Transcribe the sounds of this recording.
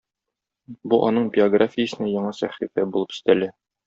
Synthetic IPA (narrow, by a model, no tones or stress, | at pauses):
buʔɒ̰nɤɴbʲɪoɡrafʲɪjə̆sɘ̆næjɒɴɑsæχifæbulˠɤpɵ̥̆st̪ælæ